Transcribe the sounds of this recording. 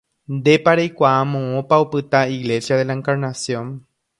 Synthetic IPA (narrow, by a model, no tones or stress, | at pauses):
nd̪e̞paɾejkʷaamõ̞õpaopɨt̪aiɣle̞sjaðe̞laẽŋkaɾnasjõ̞n